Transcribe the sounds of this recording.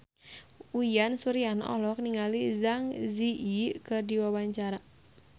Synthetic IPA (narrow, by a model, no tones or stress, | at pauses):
ujansuɾianɔ̰lɔk̚niŋalizaŋziʔikɨrdiwawaɲt͡ʃaɾa